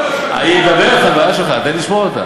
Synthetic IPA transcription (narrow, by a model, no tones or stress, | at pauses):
a̰eɡabelet̪χavajaʃelχaːt̪aliʃmoot̪a̰